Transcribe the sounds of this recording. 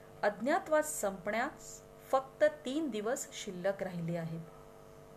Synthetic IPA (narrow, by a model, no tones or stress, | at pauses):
əd̪ʱnjat̪ʋat͡ssəmpɳjat̪ | fək̚t̪ət̪iːnd̪iʋəsɕilːəkɾaɦileaɦet̪